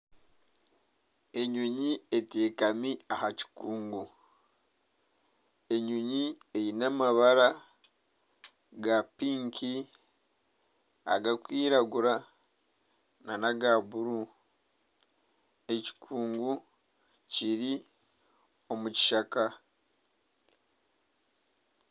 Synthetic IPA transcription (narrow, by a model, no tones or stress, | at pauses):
e̞ɲuɲie̞te̞ːkamiahaci̥kuːŋɡu | e̞ɲuɲi | e̞jinamaβaɾa | ɡapiːŋki | a̰ɡakwiːɾaɡuɾa | nanaɡaβuɾu | e̞ci̥kʰuːŋɡu | ciɾi | o̞muci̥ʃaka